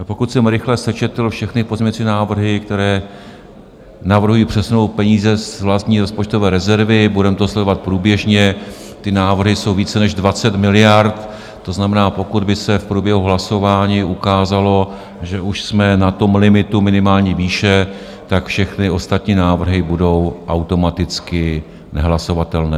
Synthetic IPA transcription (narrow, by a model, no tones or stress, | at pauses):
po̞kut̪sɛmɾɪxlɛsɛt͡ʃɛt̪l̩fʃɛxnɪpo̞zmɲɛɲt͡sɪnaːvr̩ɦɪk̚t̪ɛɾɛː | navr̩ɦujiːpr̝̥ɛsuno̞wt̪̚pɛɲiːzɛzvlast̪ɲiːɾospot͡ʃt̪o̞vɛːɾɛzɛɾvɪbudɛmt̪oslɛdovat̪̚pɾuːbjɛʒɲɛ | t̪ɪnaːvr̩ɦɪso̞wviːt͡sɛnɛʒdvat͡sɛt̪mɪlɪjaɾt̪ | t̪o̞znamɛnaːpo̞kud̪bɪsɛfpɾuːbjɛɦuɦlaso̞vaːɲiːʔukaːzalo̞ | ʒɛʔuʃsmɛnat̪o̞mlɪmɪt̪umɪnɪmaːlɲiːviːʃɛ | t̪akfʃɛxnɪo̞st̪at̪ɲiːnaːvr̩ɦɪbudo̞wʔawt̪o̞mat̪ɪt͡skɪ | nɛɦlaso̞vat̪ɛlnɛː